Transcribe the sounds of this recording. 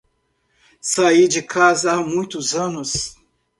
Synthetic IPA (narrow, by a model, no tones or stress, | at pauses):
said͡ʒɪkʰazɐamũj̃t̪ʊzɐ̃nʊs